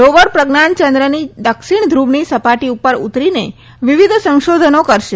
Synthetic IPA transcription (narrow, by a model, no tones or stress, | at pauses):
ɾoʋəɾpɾəɡnant͡ʃə̃nd̪ɾənid̪əkʃiɳ̃d̪ʱɾuʋɳisəpaʈiupːəɾṵt̪ɾine | ʋiʋid̪ʱsə̃ŋ̃ʃod̪ʱənokəɾʃe